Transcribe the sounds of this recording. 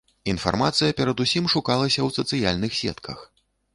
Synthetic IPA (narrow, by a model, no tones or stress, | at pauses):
in̪fa̰rmat̪sɨjɐpʲɛɾɐd̪usʲimʂukalˠɐsʲɐwsɐt̪sɨjalʲnɨxsʲɛ̰t̪kʰɐ̰x